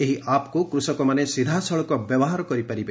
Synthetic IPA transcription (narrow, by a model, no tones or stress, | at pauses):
eɦiʔaːpkukɾusɔkɔmanesid̪ʱasɔɭɔkɔbjɐbɔɦaɾɔkɔɾipɐɾibe